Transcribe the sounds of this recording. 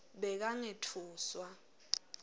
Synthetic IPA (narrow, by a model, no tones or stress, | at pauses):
ɓɛk̬aŋetʰuːswa